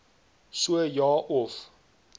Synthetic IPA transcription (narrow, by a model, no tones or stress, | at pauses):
suəjɑːʔɔf